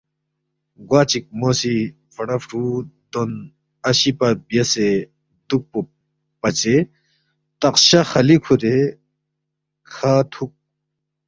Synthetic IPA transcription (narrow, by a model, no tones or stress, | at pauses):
ɡwaːt͡ɕik̚mosi | fɐɽɐfʈʰud̪on | ɐɕipɐɾbjɐse | d̪uk̚pu | pɐt͡ɕe | t̪ɐqɕɐxɐlikʰuɾe | kʰaːt̪ʰuk̚